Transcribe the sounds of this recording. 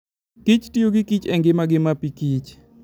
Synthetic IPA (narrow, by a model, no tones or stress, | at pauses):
kit͡ʃtioɡɪkit͡ʃɛŋɡɪmaɡɪmapikit͡ʃ